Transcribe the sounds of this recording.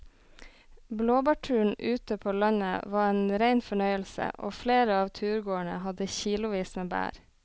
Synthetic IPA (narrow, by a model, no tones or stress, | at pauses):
bloːbɑːʈʰʉːɳ̩ʔʉːt̪əpʰoːlɑnə̰ʋɑːeːnɾæɪnfɔɳœʏəlsə̰ʔo̰ːfleːɾəɑːʋt̪ʰʉːɾɡoːəɳə̰hɑd̪əçiːlʊʋiːsmeːbæ̰ːɾ